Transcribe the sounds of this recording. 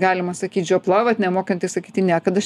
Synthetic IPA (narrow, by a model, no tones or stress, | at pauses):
ɡɑːlʲɪmɐsɐkʲiːt̪d͡ʒʲoplˠɐʋɐt̪ʲnʲɛmoːkɐnʲt̪ʲɪsɐkʲiːtʲɪnʲæːkɐt̪ɐʃ